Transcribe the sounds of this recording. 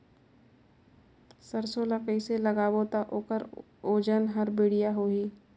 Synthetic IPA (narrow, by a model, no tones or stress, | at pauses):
səɾsoləqiseləɡaːbot̪aʔoːkəɾ | oːd͡ʒənɦəɾbɪːɽijaɦoːɦiː